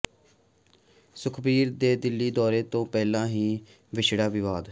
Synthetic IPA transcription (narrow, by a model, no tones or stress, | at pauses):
sʊkʰbiːɾd̪eːd̪ɪlːiːd̪ɔːɾeːt̪õːpɛːlãːɦiː | ʋɪʃɽaːʋɪʋaːd̪